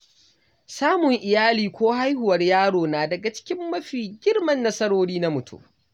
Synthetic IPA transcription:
saː˦mʊ˨ŋʔɪ˨jaː˦liː˨kʷoː˦ha˦jhʊ˨wɐ˨rjaː˦ɽoː˨naː˨dɐ˨ɡa˨t͡ʃɪ̥˦kʲɪ˦mːɐ˦ɸiː˨ɡʲɪ˦rmɐ˨nːɐ˦sɐ˦ɽoː˦ɽiː˦na˦mʊ˨tʰṵ˦

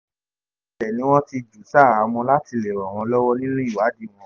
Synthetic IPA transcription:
ʃɛ˨nĩ˨˦w̃ɔ̃˦ti˧d͡ʒu˨sa˦˨ɾa˨˧˦mɔ̃˧la˦ti˧le˨wa˨w̃ɔ̃˧lɔ˦wɔ˦nĩ˦nũ˦i˦˨wa˨˦di˦˨m̃ɔ̃˧

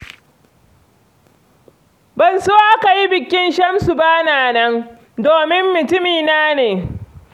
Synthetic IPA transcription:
bɐ˨nsoː˦ʔa˦ka˨ji˦bɪ˨kʲɪ˦nʃɐ˦msu˨baː˦naː˨nɐ˦ŋ | doː˨mɪ˦mːʊ˨tʊ˦miː˨naː˦neː˨

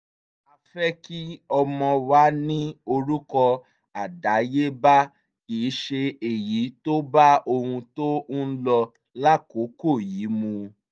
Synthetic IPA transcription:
a˧fɛ˦ki˦ɔ˧mɔ̃˧wa˨˦nĩ˦o˧ɾu˦kɔ˧ | a˨da˨˦je˦ba˦ | kiː˨˦ʃe˧e˨ji˨˦to˦ba˦o˧hũ˧tõ˦lɔ˧ | la˦ko˨˦ko˦˨jiː˨˦mũ˧

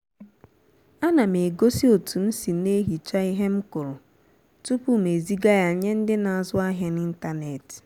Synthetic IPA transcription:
a˦na˨me˨ɡo˦si˦o˨tu˨n̩˦si˨ne˦ɦi˨t͡ʃa˦i˦ɦe˦m̩˦kʊ˨ɾʊ˨ | tu˦pu˦˨me˨zi˦ɡa˦ja˨ɲe˦n̩˦dɪ˦na˨a˨zʊ˦a˦ɦja˦ni˦n̩˦ta˦ne˨t

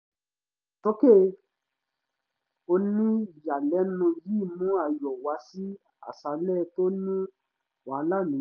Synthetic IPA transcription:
to˦ke˦ | o˧nĩ˦˨ja˨lɛ˨˦nũ˧ji˦˨mũ˦a˧jɔ˨wa˧si˦ | a̰˨sa˧lɛ˦˧to˦nĩ˦ | wa˨˦la˦˨nũ˨

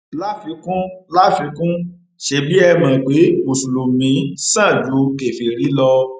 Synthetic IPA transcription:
la˦fi˧kũ˦la˦fĩ˧kũ˦ | ʃe˧bi˦ɛ˧mã˨k͡pe˨˦mo˨su˨lo˨mĩ˨˦sã˦˨d͡ʒu˨˦ke˨fi˧˨ɾi˨˦lɔ˧

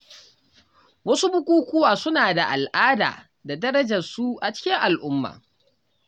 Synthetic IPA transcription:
wɐ˦su˦bʊ˦kʷʼuː˦kʷʊ˦waː˨sʊ˦naː˨da˨ʔa˨lʔaː˦da̰ː˨ | da˨dɐ˦ɾɐ˦d͡ʒɐ˨rsu˦ʔa˨t͡ʃɪ̥˦kʲɪ˦ŋʔa˨lʔʊ˦mːa̰ː˨

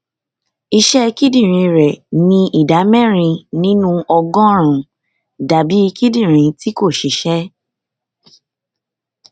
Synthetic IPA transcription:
i˧ʃɛ˦˧ki˦dĩ˦˨ɾ̃ĩ˧ɾɛ˨nĩ˧ʔi˨da˨˦mɛ̃˦˨ɾ̃ĩ˧nĩ˦nũ˦ɔ˧ɡɔ̃˦ɾ̃ũ˨ | da˨bi˨˦i˧ki˦dĩ˦˨ɾ̃ĩ˧ti˦ko˦˨ʃi˨˦ʃɛ˦

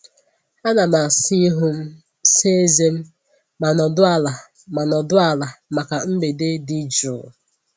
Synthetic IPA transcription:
a˦na˨ma˨si˦ɦʊ˦m̩˦ | se˦e˦ze˦m̩˦ | ma˨nɔ˨dʊ˦a˦la˨ | ma˨nɔ˨dʊ˦a˦˨la˨ma˨ka˨m̩˦be˨de˦dɪ˦d͡ʒu˨

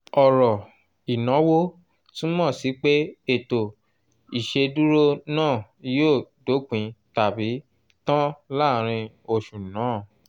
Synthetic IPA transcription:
ɔ˨ɾɔ˨ | i˨nã˨˦wo˦ | tĩ˦mɔ̃˦˨si˨˦k͡pe˦e˦˨to˨ | i˨ʃe˧du˦ɾo˦nãː˦˨ | joː˦˨do˨˦k͡pĩ˨˧ta˨bi˨˦ | tɔ̃˦la˦˨ɾ̃ĩ˧ | o˧˨ʃu˨nãː˨˦˨

